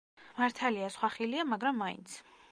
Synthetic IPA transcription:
maɾt̪ʰaliasχwaχiliamaɡɾamːaḭnt̪sʰ

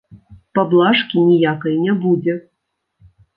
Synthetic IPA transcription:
pablˠaʂkʲinʲijakɐjnʲɛbud͡zʲɛ

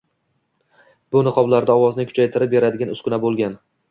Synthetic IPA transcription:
bʊnɨqʰɒblaɾd̪aɒwɒznɪkʲʰʊ̥t͡ʃʰajt̪ʰɪɾɪp̚be̞ɾad̪ɪɡʲanʊskʰʊnabolˠɡʲan

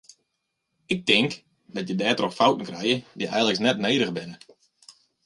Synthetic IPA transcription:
ɪk̚tɪŋk | d̥ɔtjədɛːtroxfawtn̩krɛjədiʔɛ̰jən̩ləksnɛtnejːdəɣbɪnə

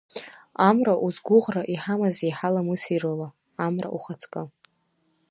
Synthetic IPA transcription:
amraʔuzɡʷʊʁraʔiħamazejħalamɨsirola | amra̰ʔuχat͡sʰkʼa

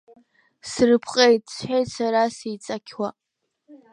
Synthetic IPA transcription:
srɨpʰqʼejt̚t͡sʷħʷᶣejtsaɾasijt͡sʼakʲʰwa

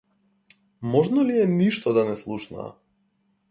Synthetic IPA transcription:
mɔʒnɔliɛniʃt̪ɔd̪anɛslˠuʃna̰a̰

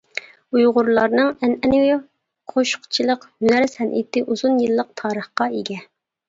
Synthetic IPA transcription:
ujʁʊɾlˠɑɾnɨŋɛnɛnw | qʰoʃʊ̥qt͡ʃʰilˠəqhynæɾsɛnʔḭt̪ɪʔuzunjɨlˠːəq̚t̪ʰɑːɾəχqɑeɡʲɛ

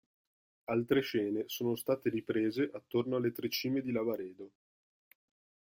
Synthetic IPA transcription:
alt̪ɾeʃɛːnesoːnost̪aːt̪eɾipɾeːzeʔat̪ːornoalːet̪ɾet͡ʃːiːmed̪ilavaɾɛːd̪o

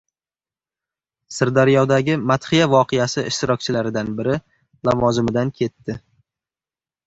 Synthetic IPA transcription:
sɪɾd̪aɾijɒd̪aɡʲɪmat̪χɪjavɒqʰejasɪʔɪʃt̪ɪɾɒk̚ʲt͡ʃʰɪlaɾɪd̪anbɪɾɪ | lavɒzɪmɪd̪ankʲʰe̞t̪ʰːɪ

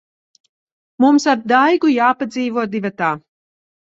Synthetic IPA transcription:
mumsab̚d̪ajɡujaːpad̪ziːvuɔd̪ivat̪aː

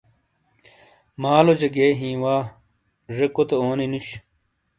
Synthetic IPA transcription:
maːlod͡ʑɐɡeːɦĩːwaː | ʐekot̪eoːninuɕ

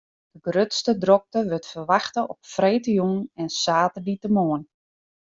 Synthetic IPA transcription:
d̥əɡrøtstədrɔk̚təʋøtfərʋaxtəʔɔpfrejːtəjunɛnsaːtəditəmoən

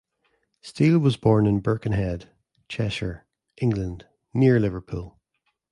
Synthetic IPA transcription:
stilˠwɒzbɔɹnɪ̃nbɜ˞kə̃nɦɛd̥ | t͡ʃʰɛʃə˞ | ʔɪ̃ŋɡlˠə̃nd | niɹlˠɪvə˞pʰʉlˠ

